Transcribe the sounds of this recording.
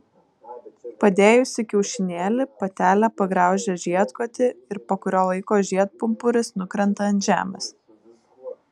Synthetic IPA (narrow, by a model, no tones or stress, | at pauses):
pɐd̪ʲeːjʊsʲɪkʲɛʊʃʲɪnʲeːlʲɪpɐt̪ʲæːlʲæpɐɡɾɑˑʊʒʲɛʒʲiɛt̪koːt̪ʲɪɪɾpɐkʊɾʲoːlˠɐɪkoːʒʲiɛt̪̚pʊmpʊɾʲɪsnʊkɾʲɛnt̪ɐɐnʲʒʲæ̰ːmʲɛs